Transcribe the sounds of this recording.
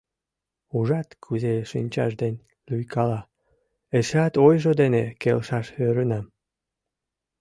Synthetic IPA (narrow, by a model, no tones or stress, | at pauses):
uʒɑt̪kʰyzeʃinʲt͡ɕɑ̰ʃd̪enʲ | lyjkʰɑlɑ | eʃɑt̪ojʒod̪enekelʃɑʃøɾənɑm